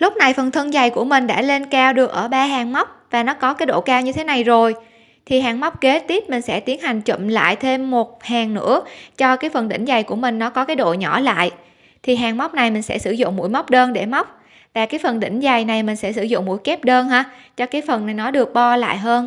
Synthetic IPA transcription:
lʊ˦˥k͡p̚na˨˩jfə˨˩nt̪ʰə˧nza˨˩jku˧˩əmï˨˩ŋ̟ɗa̰ː˧˥le˧nkaː˧wɗɨ˨˩ək̚ʔəː˧˩ɓaː˧ɦaː˨˩ŋma˦˥wk͡p̚vaː˨˩nɔ˨˦kɔ˨˦kaː˨˦jɗo̰˧˨kaː˧wɲɨ˧t̪ʰe˨˦na˨˩jzo˨˩j | t̪ʰi˨˩ɦaː˨˩ŋma˦˥wk͡p̚ke˨˦t̪i˦˥p̚mï˨˩ŋ̟sɛ̰˧˥t̪i˨˦ənha˨˩jŋ̟t͡ɕə̰˧˨mla̰ː˧˨jt̪ʰe˧mːo˨˩t̚haː˨˩ŋnɨ̰˧˥ət͡ɕɔ˧kaː˨˦jfə˨˩nɗḭ˧˥ŋ̟za˨˩jku˧˩əmï˨˩ŋ̟nɔ˨˦kɔ˨˦kaː˨˦jɗo̰˧˨ɲɔ˧˩la̰ː˧˨j | t̪ʰi˨˩ɦaː˨˩ŋma˦˥wk͡p̚na˨˩jmï˨˩ŋ̟sɛ̰˧˥sɨ̰˧˩zʊ̰˧˨ŋ͡mmu˧˥əjma˦˥wk͡p̚ɗəː˧nɗe˧˩ma˦˥wk͡p̚ | vaː˨˩kaː˨˦jfə˨˩nɗḭ˧˩ŋ̟za˨˩jna˨˩jmï˨˩ŋ̟sɛ̰˧˥sɨ˧˩zʊ̰˧˨ŋ͡mmṵ˧˥jkɛ˦˥p̚ɗəː˧nɦaː˧t͡ɕɔ˧kaː˨˦jfə˨˩nːa˨˩jnɔ˨˦ɗɨ˨˩ək̚ɓɔ˧la̰ː˧˨jɦəː˧n

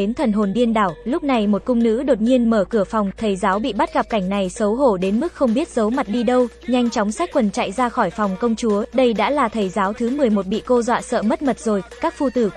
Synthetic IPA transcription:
e˨˦nt̪ʰə˨˩nɦo˨˩nɗi˧ənɗaː˧˩wlʊ˦˥k͡p̚na˨˩jmo˨˩t̚kʊ˧ŋ͡mnɨ̰˧˥ɗo˨˩t̚ɲi˧ənməː˧˩kɨ˧˩əfɔ˨˩wŋ͡mt̪ʰə˨˩jzaː˨˦wɓḭ˧˨ɓa˦˥t̚ɣa˨˩p̚ka˧˩jŋ̟na˨˩jsə˨˦wɦo˧˩ɗe˨˦nmɨ˦˥k̚xə˧wŋ͡mɓi˦˥ət̚zə˨˦wma˨˩t̚ɗi˧ɗə˧w | ɲa˧jŋ̟t͡ɕɔ˨˦wŋ͡msa˦˥k̚kwə˨˩nt͡ɕa̰˧˨jzaː˧xɔ˧˩jfɔ˨˩wŋ͡mkə˧wŋ͡mt͡ɕu˨˦əɗə˧jɗa̰ː˧˥laː˨˩t̪ʰə˨˩jzaː˨˦wt̪ʰɨ˨˦mɨ˨˩əjmo˨˩t̚ɓḭ˧˨ko˧zwa̰ː˧˨sə̰ː˧˨mə˦˥t̚mə˨˩t̚zo˨˩jkaː˦˥k̚fu˧t̪ɨ˧˩

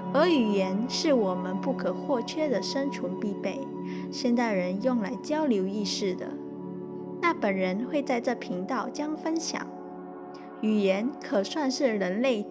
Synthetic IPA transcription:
ə˧˥y˨˩jɛ˧˥nʂɻ̩˥˩wɔ˨˩mə˦npu˥˩kʰə˨˩xwɔ˥˩t͡ɕʰɥɛ˥d̪ə˨ʂə˥ŋʈ͡ʂʰu˧˥ŋpi˥˧pe˥˩ɪ | ɕjɛ˥˧nt̪a˥˩ɪɻə˧˦njʊ˥˩ŋla˧˥ɪt͡ɕjɑ˥ʊljo˧˥ʊi˥˧ʂɻ̩˥˩d̪ə̰˩ | na˥˩pə˨˩nɻə˧˦nxwe˥˧ɪt͡sa˥˧ɪʈ͡ʂɤ˥˩pʰi˧˥ŋt̪ɑ˥˩ʊt͡ɕjɑ˥ŋfə˥nɕjɑ̰˨˩˦ŋ | y˨˩jɛ˧˥nkʰə˨˩swa˥˧nʂɻ̩˥˩ɻə˧˥nle˥˩ɪ

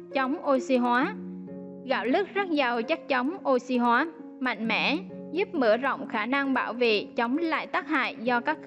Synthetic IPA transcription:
t͡ɕə˨˦wŋ͡mʔo˧si˧ɦwaː˨˦ | ɣa̰ː˧˩wlɨ˦˥k̚zə˦˥t̚za˨˩wt͡ɕa˦˥k̚t͡ɕə˨˦wŋ͡mʔo˧si˧ɦwaː˨˦ | ma̰˧˨jŋ̟mɛ̰˧˥ | zu˦˥p̚mɨ̰˧˩əzə̰˧˨wŋ͡mxaː˧˩na˧ŋɓaː˧˩wvḛ˧˨t͡ɕə˨˦wŋ͡mla̰ː˧˨jt̪aː˦˥k̚ha̰ː˧˨jzɔ˧kaː˦˥k̚

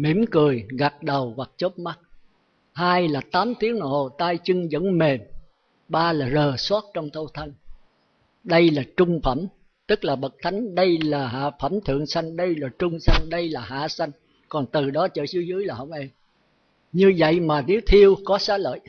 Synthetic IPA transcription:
mḭ˧˩əmkɨ˨˩əjɣa˨˩t̚ɗə˨˩wɣwa˨˩k̚t͡ɕo˦˥t̚ma˦˥t̚ | haː˧jlaː˨˩t̪aː˨˦mt̪i˨˦əŋnɔ̰˧˨˩ho˨˩t̪aː˧jt͡ɕɨ˧ŋzə̰˧˥nme˨˩m | ɓaː˧laː˨˩zəː˨˩swaː˦˥t̚t͡ɕɔ˧wŋ͡mt̪ʰo˧t̪ʰə˧ŋ | ɗə˧jlaː˨˩t͡ɕʊ˧ŋ͡mfə˧˩m | t̪ɨ˦˥k̚laː˨˩ɓə˨˩t̚t̪ʰa˨˦jŋ̟ɗə˧jlaː˨˩ɦa̰ː˧˨fə˧˩mt̪ʰɨ̰˧˨əŋsa˧jŋ̟ɗə˧jlaː˨˩t͡ɕʊ˧ŋ͡msa˧jŋ̟ɗə˧jlaː˨˩ɦa̰ː˧˨sa˧jŋ | kɔ˨˩nt̪ɨ˨˩ɗɔ˨˦t͡ɕə̰ː˧˥zɨ˨˦zɨ˨˦əjlaː˨˩ɦə̰˧˩wŋ͡mʔe˧ | ɲɨ˧və̰˧˨jmaː˨˩ne˨˦wt̪ʰi˧əwkɔ˨˦saː˨˦˥lə̰ː˧˨jʔ

